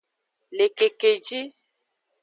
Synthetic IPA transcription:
le˨ke˨ke˨d͡ʒi˦

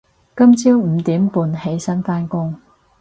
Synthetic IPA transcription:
kɐ˥mt͡siː˥wm̩˨˧t̪iː˨˥mpuː˧nhe˨˥jsɐ˥nfaː˥nkʊ˥ŋ

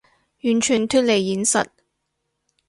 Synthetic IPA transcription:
jyː˨˩nt͡ʃʰyː˨˩nt̪ʰyː˥t̚le˨˩jːiː˨˥nsɐ̰˨t̚

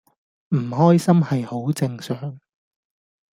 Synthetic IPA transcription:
m̩˨˩hɔː˥jsɐ˥mhɐ˨jho˨˥wt͡sɪ˧ŋsœː˨ŋ

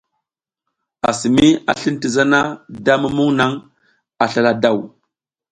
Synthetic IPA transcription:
a˨si˨mi˦a̰˨ɬi˦nti˨za˦na˦da˦mu˦mu˦ŋna˦ŋ | a˨ɬa˦˨la˨da˦˨w

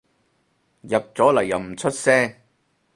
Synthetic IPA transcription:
jɐ˨p̚t͡sɔː˨˥lɐ˨˩jːɐ˨wm̩˨˩t͡sʰɵ˥t̚sɛː˥

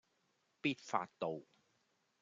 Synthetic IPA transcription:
piː˥t̚fa̰ː˧tt̪o˨˧w

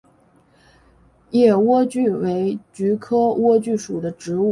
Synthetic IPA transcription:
jɛ˥˩wɔ˥t͡ɕy˥˩we˧˥ɪt͡ɕy˧˥kʰɤ˥wɔ˥t͡ɕy˥˩ʂu˨˩d̪ə˦ʈ͡ʂɻ̩˧˥u˥˩

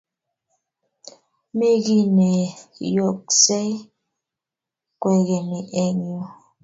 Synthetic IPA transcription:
me˦ɣi˦nɛ˨jɔ˨k̚sɛ˦ | kwɛ˨ɣɛ˨nɛ˨ʔɛ˦ɲu˨

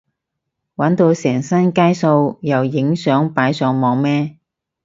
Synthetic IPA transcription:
wɐ˨˥nt̪o˧wsɛː˨˩ŋsɐ˥nkaː˥jso˧wjɐ˨wjɪ˨˥ŋsœː˨˥ŋpaː˨˥jsœː˨˧ŋmɔː˨˧ŋmɛː˥

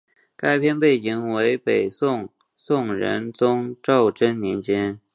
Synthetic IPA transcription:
ka˥ɪpʰjɛ˥˧npe˥˩ɪt͡ɕi˧˥ŋwe˧˥ɪpe˨˩ɪsʊ˥˧ŋ | sʊ˥˩ŋɻə̰˧˥nt͡sʊ˥ŋʈ͡ʂɑ˥˩ʊʈ͡ʂə˥nnjɛ˧˥nt͡ɕjɛ˥n

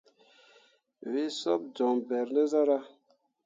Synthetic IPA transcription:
we˦sɔ̰˦b̚d͡ʒɔ˨ŋbɛ˨ɾne˦za˦ɾa˦

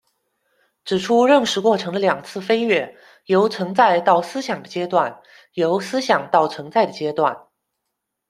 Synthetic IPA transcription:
ʈ͡ʂɻ̩˨˩ʈ͡ʂʰu˥ɻə˥˩ŋʂɻ̩˧˥kwɔ˥˩ʈ͡ʂʰɤ˧˥ŋd̪ə˧ljɑ˨˩ŋt͡sʰɹ̩˥˩fe˥ɪɥɛ˥˩ | jo˧˥ʊt͡sʰɤ˧˥ŋt͡sa˥˧ɪt̪ɑ˥˩ʊsɹ̩˥ɕjɑ˨˩ŋd̪ə˦t͡ɕjɛ˥t̪wa˥˩n | jo˧˥ʊsɹ̩˥ɕjɑ˨˩ŋt̪ɑ˥˩ʊt͡sʰɤ˧˥ŋt͡sa˥˩ɪd̪ə˩t͡ɕjɛ˥t̪wa˥˩n

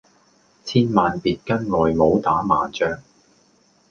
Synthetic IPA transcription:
t͡sʰiː˥nmaː˨npiː˨t̚kɐ˥nŋɔː˨jmo˨˧wt̪aː˨˥ma̰ː˨˦t͡ʃœː˧ŋ

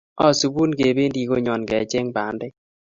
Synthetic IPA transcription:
ɔ˦su˨bu˦nɡe˨be˦ndi˨ɡo˦ɲɔ˨nɡɛ˨˦t͡ʃe˦ŋba˨˦ndɪ˦

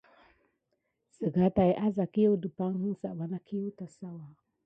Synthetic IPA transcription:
sə˨ɡa˨˦ta˨i˨ʔa˦za˨ki˦jo˦wdə˨pa˦ŋ˦hu˦sa˨ba˨na˦kʰi˦jo˦ta˨sa˦wa˨

